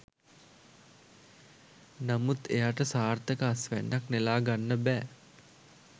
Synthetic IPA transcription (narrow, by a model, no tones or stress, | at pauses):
namut̪ejaːʈəsaːrt̪əkəasʋæ̰nːaknelaːɡanːəbæː